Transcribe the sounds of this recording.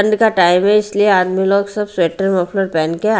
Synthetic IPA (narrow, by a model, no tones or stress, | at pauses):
ɳɖkaʈaːɪmẽɪslieaːd̪miloːɡsɐbsweːʈəɾmɔːpʰloːɾpɛːnkea